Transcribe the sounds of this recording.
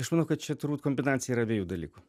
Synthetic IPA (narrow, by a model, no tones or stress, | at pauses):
ɐʃmɐnɐʊkɐt̪̚t͡ʃʲɛt̪ʊɾbut̪ʲkomʲbʲɪnaːt̪sʲɪjɛiːɾɐbʲeːjuːd̪ɐlʲḭːkʊ